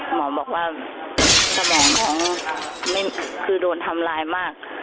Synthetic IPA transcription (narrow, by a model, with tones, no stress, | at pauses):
mɔː˨˦bɔː˨˩k̚waː˧˩ | sa˧˩mɔː˨˦ŋmɔː˨˦ŋma˥˩˨kʰɯː˧˩doː˧˩nt̪ʰa˧mlaː˧jmaː˥˩k̚